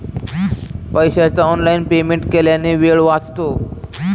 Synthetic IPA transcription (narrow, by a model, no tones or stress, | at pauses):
pəjɕat͡saɔnlainpemẽɳʈkeljaneʋeɭʋat͡st̪o